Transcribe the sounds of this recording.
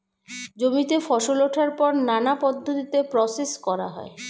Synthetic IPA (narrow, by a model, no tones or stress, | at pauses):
d͡ʑomit̪efɔʃoloʈʰaɾpɔɾnanapɔd̪ʱːot̪it̪epɾɔseskɔɾa̰ɦɔ̰e